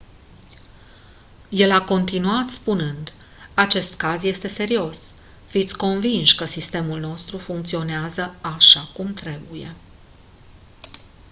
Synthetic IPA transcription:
je̞lako̞nt̪inuat̪spunɨnd̪ | at͡ʃe̞st̪kazje̞st̪e̞se̞ɾio̞s | fit̪sʲko̞nvinʃkəsist̪e̞mulno̞st̪ɾufuŋk̚t̪sio̞neazəaʃakumt̪ɾe̞buje̞̰

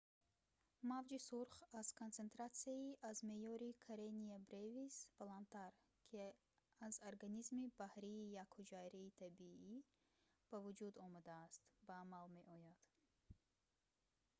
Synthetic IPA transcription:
mavd͡ʒisuɾχaz̥kʰontt͡se̞nt̪ɾat̪siaiʔazme̞jɔɾikʰaɾeniabɾevisbalant̪aɾ | kʰi | azoɾɡanizmibahɾiːjakhud͡ʒajɾiːt̪ʰabii | b̥avud͡ʒud̪ɔmad̪aːst̪baːmalme̞ʔɔjad̪̥

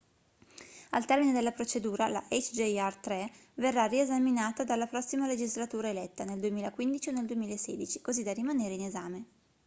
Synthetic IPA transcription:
alt̪ɛrmined̪elːapɾot͡ʃed̪uːɾala̰ʔɛt͡ʃd͡ʒeart̪ɾeverːariezaminaːt̪ad̪alːapɾɔsːimaled͡ʒizlat̪uːɾaelɛt̪ːaneld̪uemiːlakwind̪it͡ʃionːeld̪uemiːlaesːḛːd̪it͡ʃi̥kozid̪arimaneːɾeinezaːme

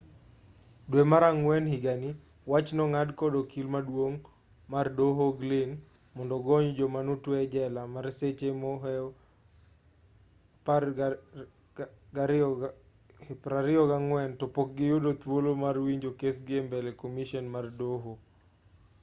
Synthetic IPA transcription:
dwemaɾaŋwɛnhiɡani | wat͡ʃnɔŋadkɔdɔkʰilmadwoŋ | mardoɦoɡlɪn | mɔndɔɡɔɲd͡ʒɔmanutwɛd͡ʒɛlamaɾset͡ʃemɔɦɛ | p | ɡaɾ | pɾaɾɪɔɡaŋwɛntɔpok̚ɡɪjodot̪wolomarwiɲd͡ʒokesɡembɛlɛkomiʃɔnmardoɦo

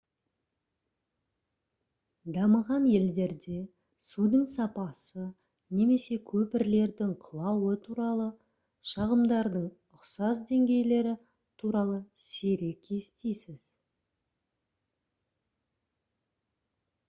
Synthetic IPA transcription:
d̪ɑməʁɑnje̞ld̪e̞ɾd̪e̞ | sud̪əɴsɑpɑsə | ne̞me̞se̞kʲʰɵpɪɾle̞ɾd̪ɪŋqʰəlˠɑwət̪ʰuɾɑlˠə | ʃɑʁəmd̪ɑɾd̪əɴ | ʊqsɑzd̪e̞ŋɡʲe̞jle̞ɾɪ | t̪ʰuɾɑlˠəseɾe̞kʲʰest̪ejsɪz̥

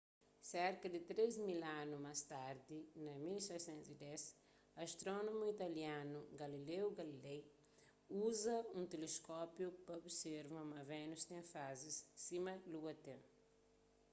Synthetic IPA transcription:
sɛɾkɐd̪ɪt̪ɾezmilãnumast̪aɾd̪inɐmilsɛjsẽnt̪zid̪ɛs | ɐʃt̪ɾɔnomuit̪ɐljãnuɡɐlilewɡɐlilɛj | uzɐũt̪eleskɔpjupɐobseɾvɐ̃mɐvɛnust̪ẽfazissimɐluɡɐt̪ẽ

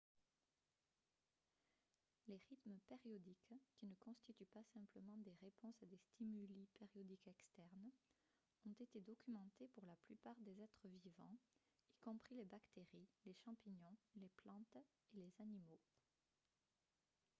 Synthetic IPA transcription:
leʁit̪mpeʁjɔd̪ikkʲːinəkɔ̃st̪it̪ypasɛ̃mpləmɑ̃d̪eʁepɔ̃sad̪est̪imylipeʁjɔd̪ikɛkst̪ɛʁn | ɔ̃t̪et̪ed̪ɔkʲymɑ̃t̪epuʁlaplypaʁd̪ezɛt̪χəvivɑ̰̃ | ikɔ̃pχilebakt̪eʁileʃɑ̃piɲɔ̃leplɑ̃t̪ | elezanimo

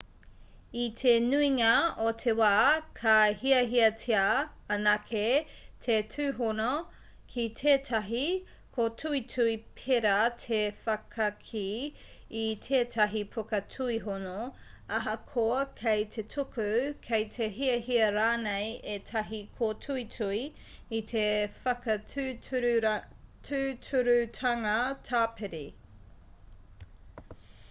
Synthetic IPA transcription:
itʰenuiŋɐotʰewaːkʰɐhiɐɦiɐtʰeɐ | ɐnɐkʰetʰetʰʉːɦono | kʰitʰeːtʰɐɦi | kʰotʰuitʰuipʰeɾɐtʰefɐkʰɐkʰiː | tʰeːtʰɐɦipʰokɐtʰuiɦono | ɐɦɐkʰoɐkʰejtʰe̞tʰokʰʉkʰejtʰeɦiɐhiɐɾaːnejetʰɐɦikʰotʰuitʰui | itʰefɐkɐ | tʰʉːtʰuɾʉtʰɐŋɐtʰaːpʰeɾi

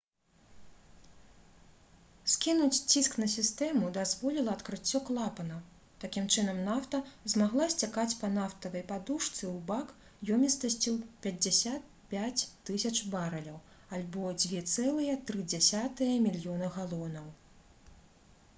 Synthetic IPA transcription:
skʲinut͡sʲt͡sʲisknɐsʲist̪ɛmud̪azvɔlʲilˠɐt̪kɾɨt͡sʲːɔklˠapɐnɐ | t̪akʲimt͡ʂɨnɐmnaft̪ɐzmaɣlˠasʲt͡sʲakat͡sʲpɐnaft̪ɐvɐjpad̪uʂt̪sɨwbak | jɔmʲist̪ɐsʲt͡sʲipʲɐd͡zʲasʲat̪̚ | pʲat͡sʲːɨsʲɐt͡ʂbaɾɐlʲɐw | alʲbɔd͡zʲvʲɛt̪sɛlˠɨjɛt̪ɾɨd͡zʲasʲat̪ɨjɐmʲilʲjɔnɨɣalˠɔnɐw

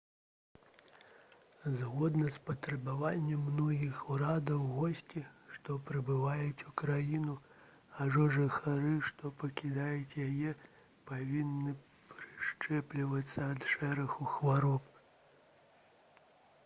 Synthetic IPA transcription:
zɣɔd̪nɐspɐt̪ɾɐbavanʲːɛmːnɔɣʲixuɾad̪ɐwɣɔsʲt͡sʲiʂt̪ɔpɾɨbɨvajut͡sʲukɾajinu | aʐɔʐɨxaɾɨʂt̪ɔpɐkʲid̪ajut͡sʲjajɛ | pavʲinːɨ | pɾɨʂt͡ʂɛplʲiʋɐt̪sːɐːd̪ʂɛɾɐxuxʋaɾɔp

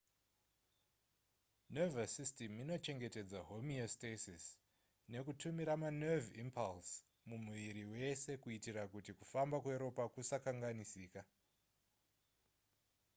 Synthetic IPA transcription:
nevasistemino̞t͡ʃe̞ŋɡe̞te̞d͡zaɦo̞miostesis | ne̞kutumiɾamanevimpʰals | mumuʋiɾiwe̞se̞kuitiɾakutikufambakueɾo̞pakusakaŋɡanisiːka

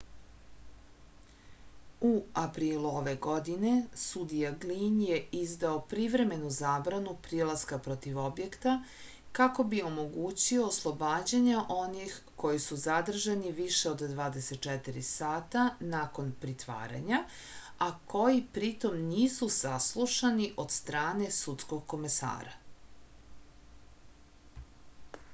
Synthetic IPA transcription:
uapɾiːluoʋe̞ɡo̞d̪ine̞sud̪ijaɡlinjeizd̪aopɾiʋɾe̞me̞nuzaːbɾanupɾilaskapɾo̞t̪iʋo̞bjekt̪a | kako̞bio̞mo̞ɡuːt͡ɕio̞ːslˠo̞baːd͡ʑaɲaʔo̞nix | ko̞jisuzad̪r̩ʒaniʋiʃe̞od̪d̪ʋaːd̪eset̪̚t͡ʃɛt̪iɾisaːt̪anaːko̞npɾit̪ʋa̰ːɾa̰ɲa | ako̞jipɾit̪o̞mniːsusaslˠuʃaniʔo̞d̪st̪ɾaːne̞sut̪sko̞ɡ̚ko̞me̞sa̰ːɾa̰

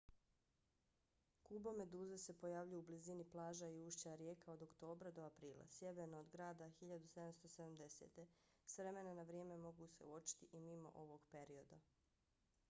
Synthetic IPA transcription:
kuːbome̞d̪uːzese̞po̞jaːʋʎujubliziniplˠaːʒaiuːʃt͡ɕaɾjeːkao̞d̪o̞kt̪o̞ːbɾad̪o̞apɾiːlˠa̰sjeʋenoːd̪ɡɾaːd̪axiʎad̪used̪amst̪o̞sed̪amd̪e̞sḛːt̪e̞ | sʋɾe̞me̞nanaʋɾjeːme̞mo̞ɡuseuot͡ʃi̥t̪iʔimimo̞̰ʔo̞ʋo̞ɡpe̞ɾio̞d̪a

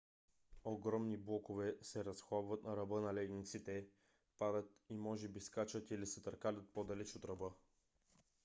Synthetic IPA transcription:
oɡɾɔmniblˠɔkovɛsɛɾɐsxabvɐt̪nɐɾɐbɤnɐlɛɡ̪nit̪sit̪ɛ | pad̪ət̪imɔʒɛbiskat͡ʃət̪ilisɛt̪ɐɾkalʲət̪̚pod̪ɐlɛt͡ʃot̪ɾɐbɤ

